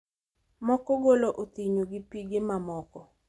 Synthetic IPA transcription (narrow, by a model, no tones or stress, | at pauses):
mɔkɔɡoloʔot̪iɲoɡɪpiɡɪmamɔkɔ